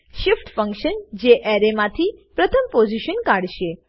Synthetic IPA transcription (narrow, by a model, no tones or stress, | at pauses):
ʃɪfʈfə̃ŋkʃənd͡ʒeʔɛɾemãt̪ʰipɾət̪ʰəmpod͡ʒiʃənkaɽʃe